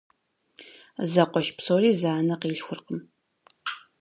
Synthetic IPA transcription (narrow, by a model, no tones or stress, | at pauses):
zɐqʷɔʃpsoːriːzaːnɐqiːɬxʷʊrqəm